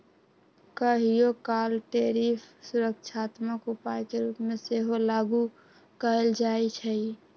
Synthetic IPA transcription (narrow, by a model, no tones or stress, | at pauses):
kəɦijokaːlʈeːɾiːfʰsʊɾəkʃʰaːt̪məkʊpaːjkeɾuːpmẽseɦolaɡu | kəəld͡ʒaːit͡ʃʰɛi